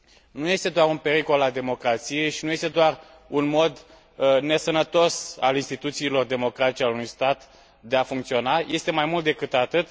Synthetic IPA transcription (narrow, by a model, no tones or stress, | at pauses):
nuje̞st̪e̞d̪oaɾunpe̞ɾiko̞lad̪e̞mo̞kɾat̪sije̞jʃinuje̞st̪e̞d̪oar | unmo̞d̪ | ne̞sənət̪o̞sa̰linst̪it̪ut̪siːlo̞rd̪e̞mo̞kɾat̪it͡ʃealunujst̪at̪ | d̪e̞afuŋkt̪sio̞naje̞st̪e̞majmult̪̚d̪e̞kɨt̪at̪ɨt̪